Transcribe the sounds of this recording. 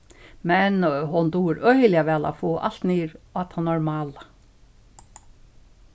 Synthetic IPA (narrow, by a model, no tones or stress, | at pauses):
mɛnɦʊnd̪uːɪɾœjlɪaʋɛːla̰foːʔa̰l̥t̪niːɾat̪hanːaɾmɑːla